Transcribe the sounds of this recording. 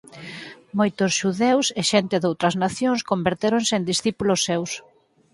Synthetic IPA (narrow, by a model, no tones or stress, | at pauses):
mojt̪osʃuðewseʃent̪eðowt̪ɾɐznaθjõŋskombeɾt̪eɾonseːnd̪isθipulosːews